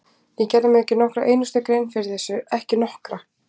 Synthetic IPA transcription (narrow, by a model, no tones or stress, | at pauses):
jɛcɛramɪðɛhcɪnɔhkɾaʔejnust̪akɾejnfɪɾɪθɛsːʏɛhcɪnɔhkɾa